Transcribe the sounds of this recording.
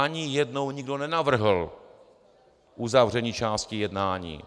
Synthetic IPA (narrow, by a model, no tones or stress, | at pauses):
aɲijɛdnowɲɪɡdo̞nɛnavr̩ɦl̩ | ʔuzavr̝ɛɲiːt͡ʃaːscɪjɛdnaːɲḭː